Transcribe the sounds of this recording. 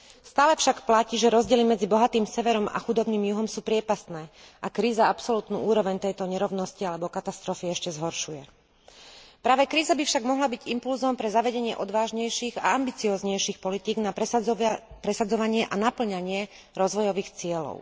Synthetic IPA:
st̪aːlɛfʃakplaciːʒɛɾɔzɟɪɛlimɛd͡zibɔɦat̪iːmsɛʋɛɾɔma̰xud̪ɔbniːmjuɦɔmsuːpɾɪɛpast̪nɛːʔakɾiːzaapsɔlut̪nṵːʔuːɾɔʋɛɲt̪ɛjt̪ɔɲɛɾɔʊnɔscialɛbɔkat̪ast̪ɾɔfiɛʃcɛzɦɔɾʃujɛ | pɾaːʋɛkɾiːzabifʃaɡmɔɦlabiɟimpulzɔmpɾɛzaʋɛɟɛɲɪɛʔɔd̪ʋaːʒɲɛjʃiːɣa̰ambit͡siɔːzɲɛjʃiːxpɔlit̪iːɡnap | pɾɛsad͡zɔʋaɲɪɛʔanapl̩ɲaɲɪɛ | ɾɔzʋɔjɔʋiːxt͡sɪɛlɔ̰ʊ

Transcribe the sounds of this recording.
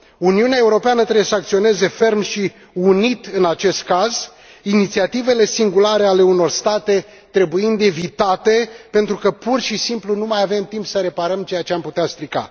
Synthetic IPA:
uniuneae̞uɾo̞peanət̪ɾebejesəak̚t̪sio̞ne̞ze̞fe̞rmʃi | unit̪ɨnat͡ʃe̞st̪̚kaz | init̪siat̪ive̞le̞siŋɡulaɾe̞ale̞uno̞rst̪at̪e̞ | t̪ɾe̞bujind̪e̞vit̪at̪e̞pe̞nt̪ɾukəpurʃisimplunumajave̞mt̪impsəɾe̞paɾəmt͡ʃe̞jat͡ʃeamput̪east̪ɾika̰

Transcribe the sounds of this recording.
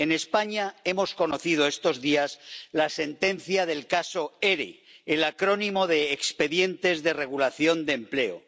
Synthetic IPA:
e̞ne̞spaɲae̞mosko̞noθið̞oe̞st̪o̞zðiazlase̞nt̪e̞n̟θjaðe̞lkaso̞e̞ɾḛːlakɾo̞nimo̞ðeːkspe̞ðje̞nt̪e̞zðe̞re̞ɣ̞ulaθjo̞nd̪emple̞o̰

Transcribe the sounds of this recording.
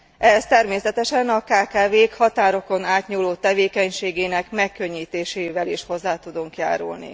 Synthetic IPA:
ʔɛɦɛst̪ɛrmeːsɛt̪ɛʃɛnɒkaːkaːveːkhɒt̪aːɾo̞ko̞naːt̪ɲuːlːoːt̪ɛveːkɛɲʃeːɡeːnɛkmɛkːø̞ɲːiːt̪eːʃeːvɛliʃho̞zːaːt̪ud̪uŋkja̰ːɾṵlnḭ

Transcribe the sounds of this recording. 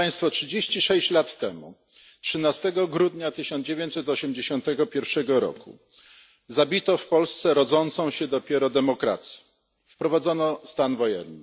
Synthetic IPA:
aj̃st̪fɔtʂɘd͡ʑeɕt͡ɕiʂɛɕt͡ɕlat̪ːɛmṵ | tʂɘnast̪ɛɡɔɡɾud̪ɲat̪ɘɕɔnd͡ʑevʲeɲt͡ɕ̪sɛt̪ɔɕɛmd͡ʑeɕɔnt̪ɛɡɔpʲjɛɾfʂɛɡɔɾɔ̰kṵ | zabʲit̪ɔfpɔlst̪sɛɾɔd̪zɔnt̪sɔ̃w̃ɕɛd̪ɔpʲjɛɾɔd̪ɛmɔkɾa̰t̪sʲjɛ̥ | fpɾɔvad̪zɔnɔst̪anvɔjɛ̰nːɘ

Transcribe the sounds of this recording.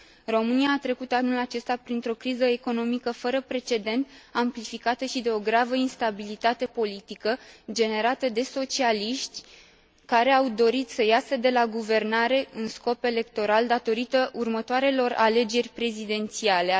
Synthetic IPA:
ro̞mɨniaːt̪ɾe̞kut̪anulat͡ʃe̞st̪apɾint̪ɾo̞kɾizəe̞ko̞no̞mikəfəɾəpɾe̞t͡ʃe̞d̪e̞nt̪amplifikat̪əʃid̪e̞o̞ɡɾavəinst̪abilit̪at̪e̞po̞lit̪ikəd͡ʒe̞ne̞ɾat̪əd̪e̞so̞t͡ʃialiʃt̪ʲ | kaɾe̞awd̪o̞ɾit̪səjasəd̪e̞laɡuve̞rnaɾe̞ɨnsko̞pe̞le̞kt̪o̞ɾald̪at̪o̞ɾit̪əʔurmət̪oaɾe̞lo̞ra̰le̞d͡ʒe̞rʲpɾe̞zid̪e̞nt̪siale̞

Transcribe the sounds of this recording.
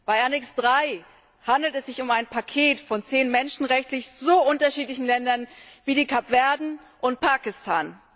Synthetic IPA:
b̥aɪanɪksd̥ʁaɪ | handl̩tɛsz̥ɪçʊmaɪnpʰakʰeːtfɔnt͡seːnmɛnʃn̩ʁɛçtlɪçz̥oːʔʊntɐʃiːtlɪçn̩lɛndɐnviːdiːkʰapv̥ɛɐdn̩ | ʔʊnt̚pʰaːkɪstʰaːn

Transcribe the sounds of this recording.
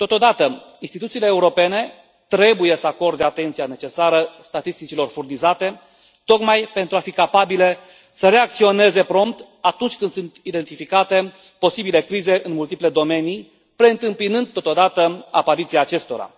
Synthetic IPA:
t̪o̞t̪o̞d̪at̪əinst̪it̪ut̪sileːuɾo̞pe̞ne̞ | t̪ɾe̞buje̞səako̞rd̪eat̪e̞nt̪sijane̞t͡ʃe̞saɾəst̪at̪ist̪it͡ʃilo̞rfurnizat̪e̞ | t̪o̞kmajpe̞nt̪ɾuafikapabile̞ | səɾe̞ak̚t̪sio̞ne̞ze̞pɾo̞mpt̪ | at̪unt͡ʃʲkɨnd̪sunt̪id̪e̞nt̪ifikat̪e̞ | po̞sibile̞kɾize̞ʔɨnmult̪iple̞d̪o̞me̞nij | pɾe̞ɨnt̪ɨmpinɨnd̪̚t̪o̞t̪od̪at̪əapaɾit̪siaːt͡ʃe̞st̪o̞ɾa̰

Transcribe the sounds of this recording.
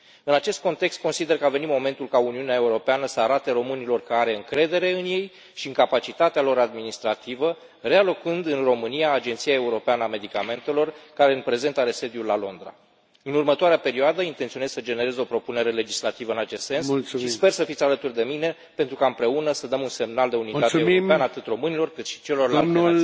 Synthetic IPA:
ɨnat͡ʃe̞st̪̚ko̞nt̪e̞kst̪̚ko̞nsid̪e̞rkəave̞nit̪mo̞me̞nt̪ulkauniuneae̞uɾo̞peanəsəaɾat̪e̞ɾo̞mɨnilo̞rkəaɾe̞ɨŋkɾe̞d̪e̞ɾe̞ɨnje̞j | ʃiɨŋkapat͡ʃit̪at̪ealo̞ɾad̪minist̪ɾat̪ivə | re̞alo̞kɨnd̪ɨnro̞mɨnijaːd͡ʒe̞nt̪siae̞uɾo̞peanəame̞d̪ikame̞nt̪e̞lo̞rkaɾe̞ɨnpɾe̞ze̞nt̪aɾe̞se̞d̪julːalo̞̰nd̪ɾa̰ | ɨnurmət̪oaɾeape̞ɾioad̪əint̪ent̪sio̞ne̞z̥səd͡ʒe̞ne̞ɾe̞zo̞pɾo̞pune̞ɾe̞le̞d͡ʒislat̪ivəɨnat͡ʃe̞st̪se̞nsusʃispe̞rsəfit̪ʲalət̪urd̪e̞mine̞ | pe̞nt̪ɾukaɨmpɾe̞unəsəd̪əmunse̞mnald̪eunit̪ateioeanəat̪ɨt̪ro̞mɨnilo̞rkɨt̪ʃi̥t͡ʃe̞lo̞rlalnul

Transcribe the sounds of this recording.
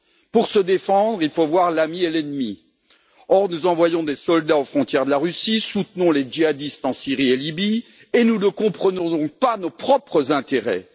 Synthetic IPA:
puʁsəd̪efɑ̃d̪ʁilfovwaʁlamielɛnmi | ɔʁnuzɑ̃vwajɔ̃d̪esɔld̪aofχɔ̃t̪jɛʁd̪əlaʁysisut̪nɔ̃led͡ʒiad̪ist̪ɑ̃siʁielibi | enunəkɔ̃pχənɔ̃d̪ɔ̃k̚panopχɔpχəzɛ̃t̪eʁɛ̰

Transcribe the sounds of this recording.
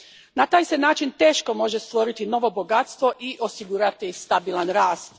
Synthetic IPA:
nat̪aːjse̞naːt͡ʃint̪e̞ːʃko̞mo̞ʒe̞st̪ʋo̞ɾit̪ino̞ʋo̞bo̞ɡat̪st̪ʋo̞ʔiʔo̞siɡuːɾat̪ist̪abilˠanɾaːst̪

